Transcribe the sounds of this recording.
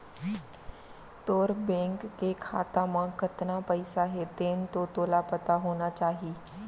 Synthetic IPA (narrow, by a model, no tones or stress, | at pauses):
t̪oːɾbɛ̃ːŋkːekʰa̰ːt̪amãkɐt̪napɐɪsaɦeːt̪eːnt̪ot̪oːlapɐt̪aɦoːnat͡ʃaːɦiː